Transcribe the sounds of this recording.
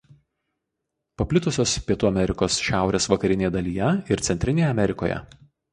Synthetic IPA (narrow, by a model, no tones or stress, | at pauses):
pɐpʲlʲɪt̪ʊsʲoːspʲiɛt̪uːɐmʲɛɾʲɪkoːsʃʲæˑʊɾʲeːsʋɐkɐɾʲɪnʲeːjɛd̪ɐlʲiːjɛɪɾt̪sʲɛnʲt̪ʲɾʲɪnʲeːjɛɐmʲɛɾʲɪko̰ːjɛ̰